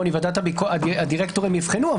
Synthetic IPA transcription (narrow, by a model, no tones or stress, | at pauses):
nivad̪at̪abikoaad̪iʁekt̪oʁimjivχenuav